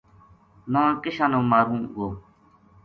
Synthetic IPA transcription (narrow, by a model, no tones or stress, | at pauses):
nãːkɪʃãːnõːmaːɾũːɡoː